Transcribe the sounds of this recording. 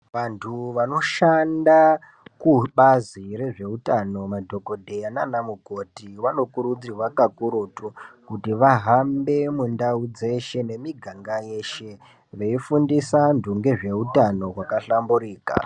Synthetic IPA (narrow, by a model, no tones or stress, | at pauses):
ʋantʰuʋano̞ʃanda | kuɓaziɾe̞ʐe̞utano̞madʱo̞ko̞dʱejananamuko̞tiʋano̞kuɾud͡zirwakakuɾutukutiʋaɦambe̞mundaud͡ze̞ʃe̞ne̞miɡʱaŋɡajeʃe̞ | ʋe̞ifundisandʱuŋɡe̞ʐe̞utano̞ɦwakaɬambuɾiːka̰